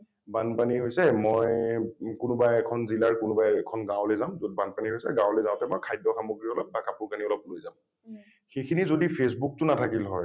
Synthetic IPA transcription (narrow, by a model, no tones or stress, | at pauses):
banpaniɦojsɛmɔjkʊnʊbajɛkʰɔnzilaɹkʊnʊbajɛkʰɔnɡãwlozaʊmzod̚banpaniɦojsɛ̰ɡãwlɛjzãʊ̃tɛmɔjkʰajdɔxamoɡɹiɔlɔp̚ːakapuɹkaniɔlɔp̚lojzam | xejkʰinizodipʰes̬buk̚tʊnatʰakilɦɔ̰j